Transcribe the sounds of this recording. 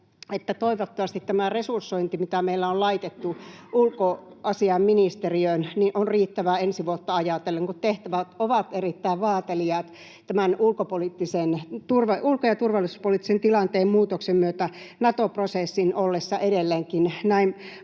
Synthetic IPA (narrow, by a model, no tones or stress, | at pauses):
et̪ːæt̪oiʋot̪ːɑʋɑst̪it̪t̪æmæresursːoint̪imit̪æmeilːæollɑit̪et̪ːuʔulkoɑsiɑmminist̪eriøinninʔonriːt̪ːæʋæensiʋuot̪ːɑɑjɑt̪elːeŋkut̪t̪eht̪æʋæt̪oʋɑt̪erit̪ːæiʋʋɑːt̪eliɑːt̪ | t̪æmænulkopolit̪ːisent̪urʋɑulkojɑt̪urʋɑlːˑisu̥spolit̪ːisent̪ilɑnt̪eːmmuːt̪oksemmyøt̪ænɑt̪oprosesːinolːesːɑʔeɾelːeːŋkinnæin